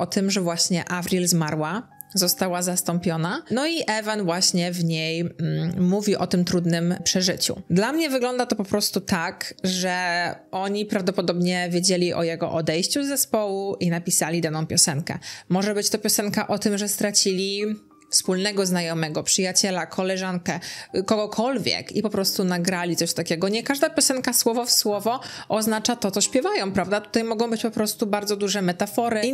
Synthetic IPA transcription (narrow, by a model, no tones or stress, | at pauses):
ʔɔt̪ɘmʐɛvwaɕɲɛʔavɾʲilzmaɾwa | zɔst̪awazast̪ɔmpʲjɔnanɔiʔɛvanvwaɕɲɛvɲejmuvʲiwʔɔt̪ɘmt̪ɾud̪nɘmpʂɛʐɘt͡ɕṵd̪lamɲɛvɘɡlɔnd̪at̪ɔpɔpɾɔst̪ut̪akʐɛʔɔɲipɾavd̪ɔpɔd̪ɔbɲɛvʲjed͡ʑelʲiʔɔ̰jɛɡɔ̰ʔɔd̪ɛjɕt͡ɕuzːɛspɔwuʔinapʲisalʲid̪anɔ̃w̃pʲjɔsɛŋkɛ̰mɔʐɛbɘt͡ɕt̪ɔpʲjɔsɛŋkaʔɔt̪ɘmʐɛst̪ɾat͡ɕilʲi | fspulnɛɡɔznajɔmɛɡɔpʂɘjat͡ɕɛlakʰɔlɛʐaŋkɛkɔɡɔkʰɔlvʲjɛ̰kipɔpɾɔst̪unaɡɾalʲit̪sɔɕt̪akʲɛɡɔɲɛkaʐd̪apʲjɔsɛŋkaswɔvɔfswɔvɔʔɔznat͡ʂat̪ɔt̪sɔɕpʲjɛvajɔ̃w̃pɾavd̪at̪u̥t̪ajmɔɡɔ̃w̃bɘt͡ɕpɔpɾɔst̪ubaɾd̪zɔd̪uʐɛmɛt̪afɔɾɘ